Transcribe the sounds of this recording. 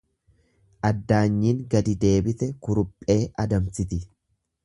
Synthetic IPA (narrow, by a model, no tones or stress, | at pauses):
ʔɐd̪ːaːɲːiːŋɡɐd̪ɪd̪e̞ːbɪt̪ɛkʊɾʊpʼːe̞ːʔɐd̪ɐmsɪt̪ɪ